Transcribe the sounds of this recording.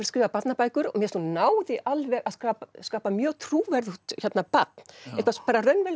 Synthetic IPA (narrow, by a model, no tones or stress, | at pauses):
ɾskɾɪːvapat̪napaːjkʏɾɔmjɛɾsnɔnaːwðɪʔalvɛɣaðskaːpskaːpamjœːɣt̪ʰɾuːvɛɾðʏt̪çɛt̪napat̪n̥ɛht̪k̪aspaːɾarœnvɛl